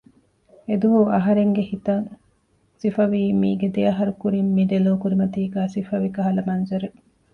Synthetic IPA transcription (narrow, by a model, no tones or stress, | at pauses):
ed̪uɦuɐɦɐɾeŋɡehit̪ɐŋ | sifɐʋiːmiːɡed̪eɐɦɐɾukuɾimːiɖ̪eloːkuɾimɐt̪iːɡæːsifɐʋikɐɦɐlɐmɐnzɐɾe